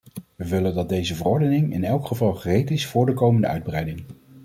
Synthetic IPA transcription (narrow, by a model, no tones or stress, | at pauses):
ʋəʋɪləndɑd̚dejzəvərɔɹdənɪŋɪ̰nɛlˠkχəvɑlˠχərejtɪsfʊːɹdəkowməndəœ̰ɥd̚brɛjdɪŋ